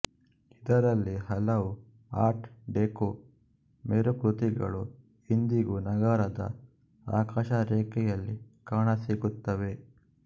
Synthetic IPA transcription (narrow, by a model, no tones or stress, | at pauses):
id̪ɐɾɐlːihɐlɐʋu | aːɾʈɖeːko | meɾuput̪iɡɐ̰ɭu | ind̪iɡunɐɡɐɾɐd̪ɐ̰ | a̰ːkaːʃɐɾɛːkɛjɐlːikaːɳɐsiɡut̪ːɐʋe̞